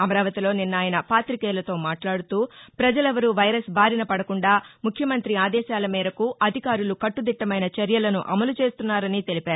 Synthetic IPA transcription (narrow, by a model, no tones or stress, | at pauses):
ɐmɐɾaːʋɐt̪ilo̞ːninːaːjɐnɐpaːt̪ɾikɛːlɐt̪o̞ːmaːʈlaːɽut̪uːpɾɐd͡ʒɐlɛʋɐɾuʋɐjɾɐsbʱaːɾinɐpɐɽɐkuɳɖaːmukʰjɐmɐnt̪ɾiaːd̪ɛːʃaːlɐmiːɾɐkuʔɐd̪ʱikaːɾulukɐʈːud̪iʈːɐmɐjnɐt͡ʃɐɾjɐlɐnuʔɐmɐlut͡ʃe̞ːst̪unːaːɾɐnit̪e̞lipaːɾu